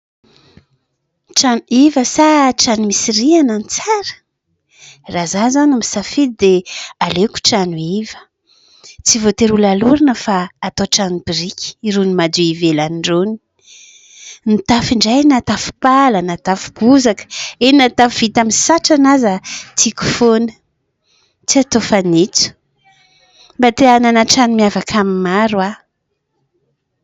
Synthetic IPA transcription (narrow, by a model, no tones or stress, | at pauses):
ʈ͡ʂanuivəsaʈ͡ʂanumisiɾiananit͡saɾə̥ | razazanumisafid̪ealeku̥ʈ͡ʂanuivə̥ | t͡sivot̪eɾulaluɾinəfaːt̪oʈ͡ʂanub̥iɾikʲi̥iɾunimad̪uivelaniɳɖ͡ʐoni | nit̪afiɳɖ͡ʐajnat̪afu̥palənat̪afu̥ɡuzakə̥einat̪afuv̥it̪aminsaʈ͡ʂanazat̪ʰiku̥fonə̥ | t͡siat̪ofanit͡su̥ | bat̪eananaʈ͡ʂanimiavakʰamimaɾwa